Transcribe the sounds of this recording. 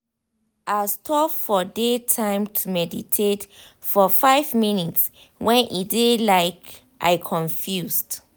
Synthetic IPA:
ʔastʰɔpfɔdetʰãɪ̃mtʰumɛditʰet | fɔfaɪvminits | wʔɛ̃nʔidelaɪk | ʔa̰ɪkʰɔ̃ɱfjusd̥

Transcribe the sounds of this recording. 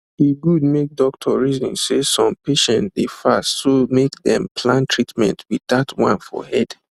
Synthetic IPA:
iɡud̚mek̚dɔk̚tʰɔɹizɔ̃nsesɔ̃mpeʃɛ̃ntdefastsomekðɛ̰̃mpʰlãntʰɹitmɛ̰̃ntʰwiðatʰwãnfɔ̰hɛd̥

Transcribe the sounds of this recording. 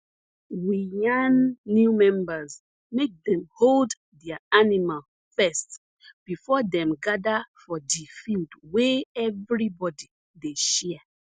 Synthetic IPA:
wijanːjumɛ̃mbaz | mek̚dɛ̃mhold | dɛaanimal | fɛst | b̥ifɔdɛ̃mɡadafɔdifildweɛvɹibɔdi | deʃɛ

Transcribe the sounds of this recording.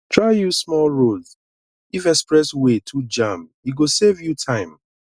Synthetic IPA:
tʰɹaɪjusmɔlɹol | ifɛkspɹɛswetʰud͡ʒãmhiɡosevjutʰãɪ̃m

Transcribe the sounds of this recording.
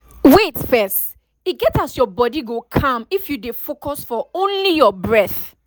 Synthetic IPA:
wetfɛst | iɡɛtasjɔbɔdiɡokʰʌ̃mifjudefokɔsfɔõnlijɔbɹɛθ

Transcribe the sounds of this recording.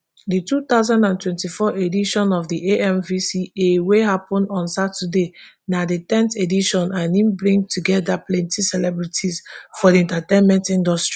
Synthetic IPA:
ditut̪aʊzãndãntwɛ̃ntifɔʔediʃɔ̃nɔvdiʔeʔɛ̃mvisieweɦapɔ̃ndɔ̃nsatʰəde | naditɛ̃nθediʃɔ̃nʔãnĩmbɹĩŋtʰuɡɛdaplɛ̃ntisɛlɛbɹitʰizfɔdiɛ̃ntatẽnmɛ̃ntĩndɔstɹi

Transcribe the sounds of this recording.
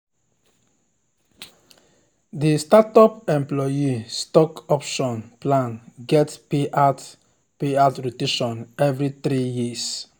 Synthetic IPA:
d̪ist̪atɔpɛ̃mplɔjist̪ɔkɔpʃɔ̃npʰlãnɡɛtpeʔat | peat̪ɾut̪ɪʃɔ̃nɛvɾiθɾiːjis

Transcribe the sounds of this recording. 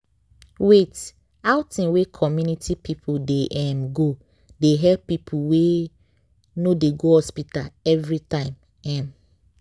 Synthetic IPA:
wet | aʊtĩnwekʰɔmjunitʰipʰipʰudeʔɛmɡo | deɦɛlpːipʰuwe | nodeɡohɔspitalɛvɾitãɪ̃m | ɛ̃m

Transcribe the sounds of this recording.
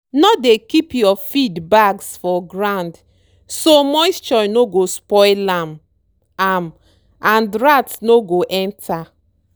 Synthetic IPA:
nɔdekipjɔfidbaɡsfɔɡɹãnd | somɔɪst͡ʃɔnoɡospɔɪlãm | am | ãndɾatnoɡoʔɛ̃ntʰa

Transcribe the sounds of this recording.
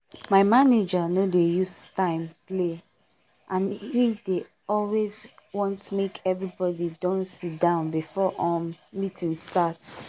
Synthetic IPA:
maɪmaned͡ʒanodejustãɪ̃mple | ʔãnhide | ɔlwezwɔ̃ntmekʰɛvɹibɔdidɔ̃nsitdãʊ̃nbifɔʔɔ̃mitĩnstat

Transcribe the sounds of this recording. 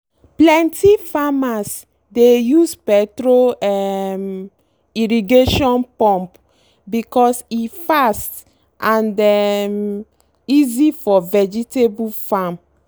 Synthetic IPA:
plɛ̃ntifamas | dejuspɛtɹoɛm | iɹiɡeʃɔ̃npɔ̃mp | bikɔsifast | ʔãndɛm | izifɔvɛd͡ʒitebufam

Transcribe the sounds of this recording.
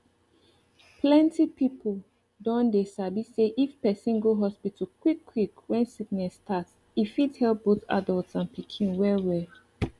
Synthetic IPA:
pʰlɛ̃ntipipʰol | dɔ̃ndesabiseʔifpɛsĩnɡoɦɔspitʰəkwikʰːwikwɛ̃nsiɡ̚nɛstʰats | ifidhɛlp̚b̥oθa̰dəlˠtsãnpikʰĩnwɛwɛ

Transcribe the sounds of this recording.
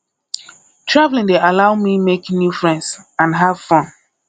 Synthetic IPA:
tʰɹavlĩndealaʊmimeknjufɹɛ̃ndsãnɦav̥fɔ̃n

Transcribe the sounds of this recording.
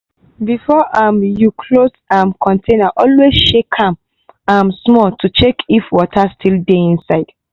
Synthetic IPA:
bifɔʔãmjukʰlosãmkʰɔ̃ntʰẽnaʔɔlwezʃekʰãm | ãmsmɔtʰut͡ʃekʰifwɔtʰastʰildeĩnsaɪd̥

